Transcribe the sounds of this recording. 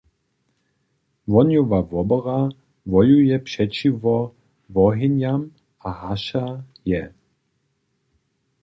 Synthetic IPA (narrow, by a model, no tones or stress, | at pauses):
vɔnjuvavɔbɔʁa | vɔjujɛpʃɛt͡ʃivɔ | vɔɦinjam | ahaʃa | jɛ